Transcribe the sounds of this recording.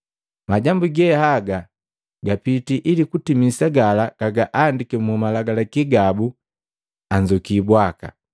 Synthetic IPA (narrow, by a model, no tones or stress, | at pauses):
maɟambuɡɛhaɡa | ɡapitiʔilikutimisaɡalakaɡaʔaːndikɛmumalaɡalakiɡabu | aɲd͡ʒɔkiːbwaka̰